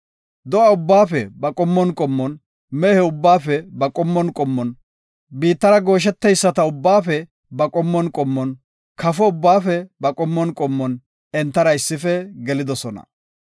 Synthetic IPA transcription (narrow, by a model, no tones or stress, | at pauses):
d̪ɔɐʊbːaːfɛbɐkʼɔmːɔnkʼɔmːɔn | mɛhɛʊbːaːfɛbɐkʼɔmːɔnkʼɔmːɔn | biːt̪ːɐɾɐɡo̞ːʃ̬ɛt̪ːɛjsːɐt̪ɐʊbːaːfɛ | bɐkʼɔmːɔnkʼɔmːɔn | kɐfɔʊbːaːfɛbɐkʼɔmːɔnkʼɔmːɔn | ɛnt̪ːɐɾɐɪsːɪfɛɡɛlɪd̪ɔsɔnɐ̰